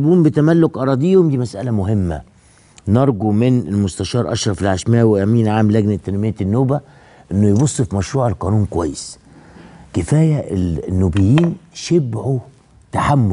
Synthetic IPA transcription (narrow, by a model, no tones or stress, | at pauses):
buːmbɪt̪æmælːokʔɑɾˤɑːd̪ejːhomd̪iːmæsʔæ̰læmʊɦɪmːæ̰ | nɑɾˤɡumɪnelmʊst̪æʃɑːɾˤʔɑ̰ʃɾˤɑfelʕaʃmæːweʔæmiːnʕaːmlːæɡnæt̪ːænmejːæt̪nːoːbæ | ʔenːojbosˤːfimæʃɾuːʕelqɑːnuːnkowæjːes | kɪfæːjæenːuːbɪjːiːnʃebʕu | t̪aħamːʊ